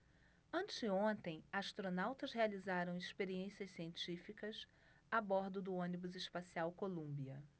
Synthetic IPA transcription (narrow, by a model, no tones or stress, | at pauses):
ɐ̃t͡ʃɪõnt̪ẽj̃aʃt̪ɾonawt̪ɐzɦealizaɾɐ̃w̃eʃpeɾiẽsiɐssiẽnt͡ʃifikɐs | abɔɾd̪ʊd̪ʊõnibʊzɪʃpasiawkolũmbiɐ